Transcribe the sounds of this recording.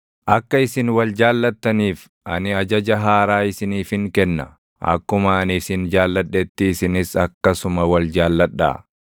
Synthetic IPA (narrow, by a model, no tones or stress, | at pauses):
ʔɐkːɐɪsɪnwɐld͡ʒaːlːɐt̪ːɐniːf | ʔɐ̰nɪɐd͡ʒɐd͡ʒɐɦaːɾaːɪsɪniːfɪŋkɛnːɐ̰ | ʔɐ̰kːʊmɐːnɪsɪnd͡ʒaːlːɐᶑːɛt̪ːɪːsɪnɪsɐkːɐsʊmɐwɐld͡ʒaːlːɐᶑa̰ː